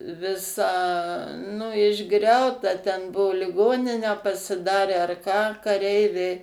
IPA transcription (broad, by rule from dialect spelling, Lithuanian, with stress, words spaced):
ʋʲɪˈsɐ nʊ ɪʒˈɡrʲɛʊtɐ tʲɛn ˈbuɔ lʲɪˈɡoːnʲɪnʲæː pɐsʲɪˈdɑːrʲæː ɐr kɑː kɐˈrʲɛɪʋʲɛɪ